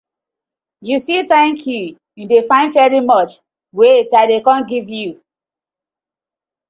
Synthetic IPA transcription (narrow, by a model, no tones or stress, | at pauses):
jusitãɪ̃nkʰju | ĩndefãɪ̃ndvɛɹimɔt͡ʃ | wetaɪdekãnɡivju